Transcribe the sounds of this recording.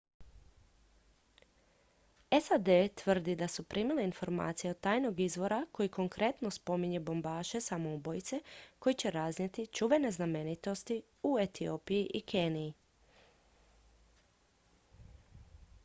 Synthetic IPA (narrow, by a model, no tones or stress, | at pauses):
esad̪et̪ʋr̩d̪id̪asupɾʔimileinfo̞ɾma̰ːt̪sijeod̪t̪ːaːjno̞ɡizʋo̞ɾako̞jiko̞ŋkɾe̞t̪no̞spo̞miɲe̞bo̞mbaːʃe̞samoubo̞jt̪se̞ko̞jit͡ɕe̞ɾaznet̪it͡ʃuʋe̞ne̞zname̞nit̪o̞st̪i | uet̪ioːpijiʔikʰeːnijː